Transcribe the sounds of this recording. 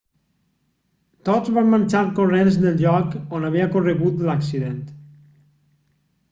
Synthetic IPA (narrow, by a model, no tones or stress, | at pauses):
t̪ot̪zβamːanʲt͡ʃaɾkorenznelˠʎɔkonaβ̞iəkoreɣut̪laksiðent̪